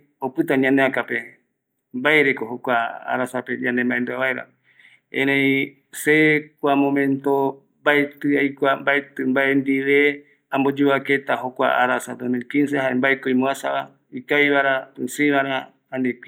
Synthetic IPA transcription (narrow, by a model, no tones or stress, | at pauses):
opɨt̪aɲãnd̪eakape | mbaeɾekoɦokʷaa̰ɾasaped͡ʒãnd̪embaend̪uaβaeɾa̰ | ẽɾẽi | sekʷamõmẽnt̪o | baet̪ɨajkʷambaet̪ɨmbaend̪iβe | ambod͡ʒuβaket̪aɦokʷa̰a̰ɾasad̪osmilkinseɦaɾembaekoimũasaβa | ikajβaɾapɨsɨiβaɾa | andeki